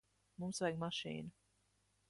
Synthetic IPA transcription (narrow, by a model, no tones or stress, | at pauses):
mumsvɛjɡmaʃḭːnu